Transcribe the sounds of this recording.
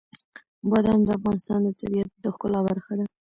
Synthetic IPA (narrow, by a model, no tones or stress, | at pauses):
bɑd̪amd̪əafɣɑnɪst̪ɑnd̪ət̪abiat̪̚d̪əxkəlɑbaɾxad̪a